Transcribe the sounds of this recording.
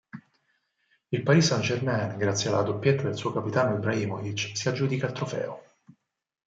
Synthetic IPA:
ilpaɾiːsand͡ʒermɛnɡɾat̪sjalːad̪opjet̪ːad̪elsuːokapit̪aːnoebɾaimovit͡ʃsiad͡ʒːuːd̪ikaːlt̪ɾofɛ̰ːo

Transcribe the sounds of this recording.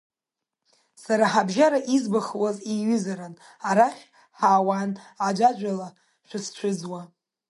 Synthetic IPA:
saɾaħabʒaɾaʔizbaχwaziɥʏzaɾan | aɾaχʲ | ħaːwanad͡ʒʷad͡ʒʷala | ʃʷᶣʊst͡ʃʷʰʊd͡zwa

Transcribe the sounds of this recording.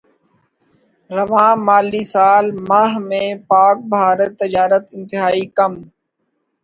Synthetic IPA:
ɾəʋãːmaːliːsaːlmaːɦmẽːpaːk̚bʱaːɾət̪ːɪd͡ʒaːɾət̪ɪ̃nt̪ɪɦaːiːkəm

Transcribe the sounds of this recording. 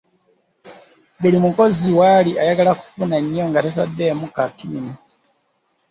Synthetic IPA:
βelimuko̞ziwaliʔajaɡalaku̥funaɲjoŋɡatetadːemukatuːni

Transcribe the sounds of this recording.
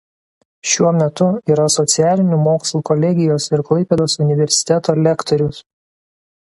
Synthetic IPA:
ʃʲuɔmʲɛt̪ʊiːɾɐsɔt̪sʲɪæːlʲɪnʲuːmoːkslˠuːkɔlʲɛɡʲɪjoːsɪɾklˠɐɪpʲeːd̪oːsʊnʲɪʋʲɛɾʲsʲɪ̥t̪ʲɛt̪oːlʲɛkt̪ɔɾʲʊs

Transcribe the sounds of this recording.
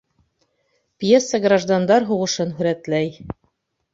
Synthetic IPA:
pjesːəɡraʒd̪and̪ɑɾɦuʁɤ̆ʃɤnɦɵ̆ɾæt̪læj

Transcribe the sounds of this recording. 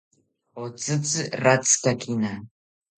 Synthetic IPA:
ot͡sʼɨt͡sɨrat͡skakina

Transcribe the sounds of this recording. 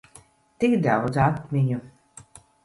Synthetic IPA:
t̪ikd̪awd̪zat̪miɲu

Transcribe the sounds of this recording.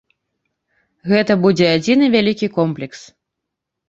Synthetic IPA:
ɣɛt̪ɐbud͡zʲɛad͡zʲinɨvʲalʲikʲikɔmplʲɛks

